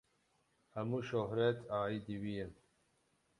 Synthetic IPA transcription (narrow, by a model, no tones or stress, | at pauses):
hɐmuʃoɦɾet̪ʰaːid̪iwijen